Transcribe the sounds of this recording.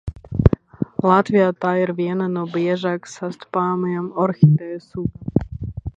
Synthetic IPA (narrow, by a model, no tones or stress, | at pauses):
lat̪ʋiat̪ajɾʋɪɛnɛnɔbjɛʒaksast̪paːmamɔɾxit̪ɛːsud